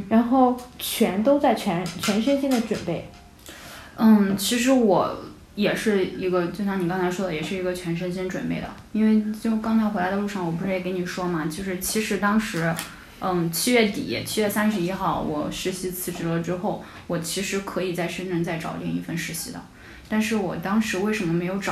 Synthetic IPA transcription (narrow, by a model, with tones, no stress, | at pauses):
ɻa˧˥nxo˥˩ʊt͡ɕʰɥɛ˧˥nt̪o˥ʊt͡sa˥˩ɪt͡ɕʰɥɛ˧˥nt͡ɕʰɥɛ˧˥nʂə˥nɕi˥ŋd̪ə˨ʈ͡ʂwə˨˩npe˥˩ɪ˥˩ | t͡ɕʰi˧˥ʂ̬ɻ̩˧˥wɔ˨˩˦ | jɛ˨˩ʂɻ̩˥˩i˧˥ɡə˧t͡ɕjo˥˧ʊɑ˥ŋni˨˩kɑ˥ŋt͡sʰa˧˥ɪʂwɔ˥d̪ə˩jɛ˨˩ʂɻ̩˥˩i˧˥ɡə˧t͡ɕʰɥɛ˧˥nʂ̬ə˥nɕɛ˥ŋʈ͡ʂwə̰˨˩npe˥˩ɪd̪ə̰˩ | i˥nwe˥˩ɪt͡ɕjo˥˧ʊkɑ˥ŋt͡sʰa˧˥ɪxwe˧˥la˧˥ə˧lu˥˧ʂɑ˥˩ŋwɔ˨˩pu˧˥ʂɻ̩˥˩jɛ˧˩ke˧˥ɪni˨˩ʂwɔ˥mɐ˨t͡ɕjo˥˧ʊʂɻ̩˥˩t͡ɕʰi˧˥ʂɻ̩˧˥t̪ɑ˥ŋʂɻ̩˧˥˩ | t͡ɕʰi˥ɥɛ˥˩t̪ḭ˨˩˨t͡ɕʰi˥ɥɛ˥˩sa˥nʂ̬ɻ̩˧˥i˥xɑ˥˩ʊwɔ̰˨˩ʂɻ̩˧˥ɕi˧˥t͡sʰɹ̩˥˩ʈ͡ʂɻ̩˧˥lə˨ʈ͡ʂɻ̩˥xo˥˩ʊ | wɔ˨˩t͡ɕʰi˧˥ʂɻ̩˧˥kʰɤ˧˥i˨˩t͡sa˥˧ɪʂə˥nʈ͡ʂə˥˧nt͡sa˥˩ɪʈ͡ʂɑ̰˨˩ʊt̪jɛ˥˧ni˥˧fə˥˧nʂɻ̩˧˥ɕḭ˧˥d̪ə̰˨ | t̪a˥˧nʂɻ̩˥˩wɔ˨˩t̪ɑ˥ŋʂɻ̩˧˥we˥˩ɪʂə˧˥nmə˧me˧˥ɪjo˧˥ʊʈ͡ʂ